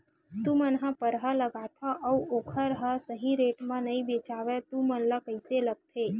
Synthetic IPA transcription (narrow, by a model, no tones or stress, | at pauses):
t̪umənɦãpəɾɦələɡaːt̪ʰaʔəuoːkʰəɾɦəsəɦĩɾeːʈmãnəĩbeːt͡ʃaːʋet̪umənləkəɪseləɡ̚t̪ʰe